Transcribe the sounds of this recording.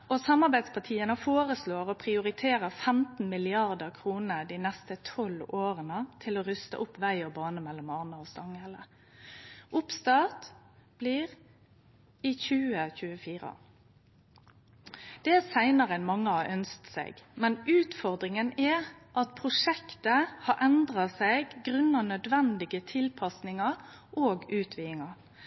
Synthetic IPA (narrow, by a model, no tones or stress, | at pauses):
ʔɔsɑmɑɾbæɪd̪spʰɑt̪ʰiːənəfoːɾəsloːɾɔpʰɾɪʊɾɪt̪ʰeːɾəfɛmt̪n̩mɪlɪɑʁd̪əʁkʰʁuːnəd̪iːnɛst̪ət̪ʰɔloːʁənət̪ʰɪlɔɾʉst̪ə̰ʔʊpːʋæɪɔbɑːnəmɛlːɔmɑːnəɔst̪ɑŋɛlə | ʔʊpst̪ɑːt̪b̥liːʁ | içʉːəçʉːəfiːʁə̰ | d̪̥ɛsæɪnɑʁəɛnmɑŋːəhɑʔœnskt̪sḛɪɡmɛnʉːt̪fɔʁd̪ʁɪŋənæʁʔɑt̪̚pʰʁʊʂɛkt̪əhɑɾʔɛnd̪ʁɑseɡːʁʉnənœd̪ʋɛnd̪ɪɡət̪ʰɪlpʰɑsnɪŋɑʔoːɡʉːt̪ʰʋiːɪŋɑ